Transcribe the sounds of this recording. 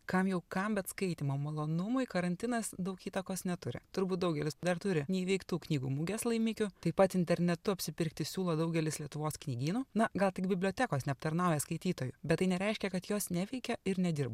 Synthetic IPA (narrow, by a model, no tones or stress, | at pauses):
kɐmjɛʊkɐmbʲɛt̪skɐɪt̪ʲiːmomɐlˠoːnʊmʊɪkɐɾɐnʲt̪ʲɪnɐsd̪ɐʊkiːt̪ɐkoːsnʲɛt̪ʊɾʲɪ̰t̪ʊɾbuːt̪̚d̪ɐʊɡʲɛlʲɪsd̪ɐrt̪ʊɾʲɪnʲɛɪiʋʲɛɪkt̪uːknʲiːɡuːmʊɡʲɛslˠɐɪmʲɪkʲʊt̪ɐɪpɐt̪ɪnʲt̪ʲɛɾʲnʲɛt̪ʊɐpʲsʲɪpʲɪɾkt̪ʲɪsʲuːlˠoːd̪ɐʊɡʲɛlʲɪslʲiɛt̪ʊʋoːsknʲiːɡʲiːnuːnɐɡɐlˠt̪ʲɪkbʲɪbʲlʲoɔːt̪ʲækoːsnʲɛɐp̚t̪ɐɾnɐʊjɛskɐɪt̪ʲiːt̪oːjubʲɛt̪t̪ːɐɪnʲɛɾʲɛɪʃʲkʲɛkɐt̪joːsnʲæʋʲɛɪkʲɛɪɾnʲɛd̪ʲɪɾbɐ